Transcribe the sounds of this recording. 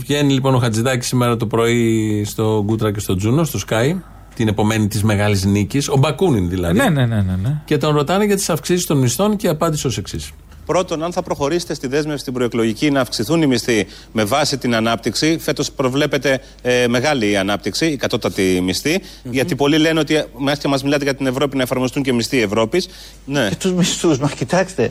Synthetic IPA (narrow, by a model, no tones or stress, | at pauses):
vʝe̞nilipo̞no̞xɐt͡siðɐci̥simeɾɐt̪opɾo̞ist̪o̞ɡut̪ɾɐce̞st̪o̞d͡zuno̞st̪o̞skɐj | t̪ine̞po̞me̞nit̪izme̞ɣɐlizniciso̞bɐkuninðilɐðenenenenece̞t̪o̞nɾo̞t̪ɐneʝɐt̪i̥sɐfksisi̥st̪o̞nmist̪o̞nce̞ɐpɐnd̪iseoseksis | pɾo̞t̪o̞nɐnθɐpɾo̞xo̞ɾise̥t̪e̞st̪iðe̞zmefsi̥t̪ibɾoeklo̞ʝicinɐːfksiθunimist̪i | me̞vɐsit̪inɐnɐp̚t̪iksife̞t̪o̞spɾo̞vle̞pe̞t̪e̞ | me̞ɣɐliɐnɐp̚t̪iksiːkɐt̪o̞t̪ɐt̪imist̪i | ʝɐt̪ipo̞lileneo̞t̪imɐscɐmɐzmilɐt̪eʝɐt̪ine̞vɾo̞pinɐefɐɾmost̪uɲcemist̪iːe̞vɾo̞pis | ne̞t̪uzmist̪uzmɐscit̪ɐkst̪e